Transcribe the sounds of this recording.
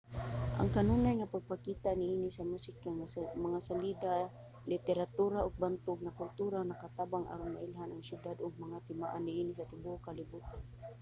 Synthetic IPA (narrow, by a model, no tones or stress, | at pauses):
ʔa̰ŋkanunajŋapaɡ̚pakit̪aʔnɪinisamusɪkaŋamaŋasalid̪a | lɪt̪ɛɾat̪uɾaʔʊɡ̚bant̪ʊɡ̚ŋakʊlt̪uɾanakat̪abaŋʔa̰ɾʊnmaʔɪlɦanaŋsjʊd̪ad̪ʊɡ̚maŋat̪ɪmaʔanːɪinɪsat̪ɪbuʊkalɪbut̪an